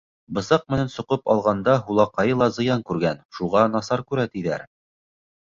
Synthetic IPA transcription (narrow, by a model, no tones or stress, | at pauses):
bɤ̆sɑq̚mɘ̆nænsŏqɤpɑ̰lˠʁɑnd̪ɑɦulˠɑqɑjɤlˠɑzɤ̆jɑŋkʉɾɡænʃuʁɑnɑsɑɾkʉɾæt̪iðæ̰ɾ